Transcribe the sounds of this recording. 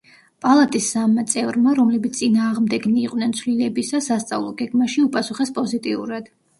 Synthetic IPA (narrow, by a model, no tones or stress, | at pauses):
pʼalˠat̪ʼisːamːat̪sʼɛvɾmaɾɔmlɛbit̪sʼinaːʁmd̪ɛɡniːqʼnɛnt̪sʰvlilɛbisasast̪sʼa̰vlˠɔɡɛɡmaʃiupʼasuχɛspʼɔzit̪ʼiṵɾad̪̥